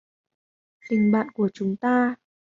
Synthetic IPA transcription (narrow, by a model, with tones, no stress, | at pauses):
t̪ï˨˩ŋ̟ɓa̰ː˧˨nku˧˩ət͡ɕʊ˨˦ŋ͡mt̪aː˧